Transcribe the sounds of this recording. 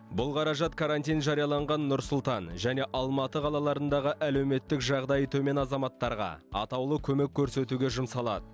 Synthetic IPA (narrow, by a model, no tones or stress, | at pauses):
bʊlˠqʰɑɾɑʒɑt̪kʰaɾanʲt̪ijnʒɑɾijɑlˠɑɴʁɑnːʊɾsʊlˠt̪ɑnʒæne̞ʔɑlˠmɑt̪əqʰɑlˠɑlˠɑɾənd̪ɑʁəʔælewme̞t̪ːɪkʒɑʁd̪ɑjt̪ʰɵme̞nɑzɑmɑt̪ːɑɾʁɑ̰ɑ̰t̪ɑwlˠəkʲʰɵme̞kʲʰːɵɾse̞t̪uɡʲe̞ʒʊmsɑlˠɑ̰d̪ə